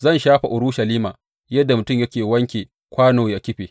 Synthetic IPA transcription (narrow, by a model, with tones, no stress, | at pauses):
zɐ˦˨nʃaː˦ɸa˨ʔʊ˨ɾuː˦ʃa˨liː˦ma̰ː˨ | jɐ˦dːa˨mʊ˨tʊ˦˨mjɐ˦kʲeː˨wɐ˦ŋkʲeː˨ | kʷaː˦noː˨ja˦kʲɪ˦ɸeː˨